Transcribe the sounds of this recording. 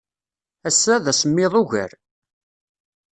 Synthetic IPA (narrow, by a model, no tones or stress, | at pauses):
æsːæðæsəmːɪðˤʊʝə̰ɾ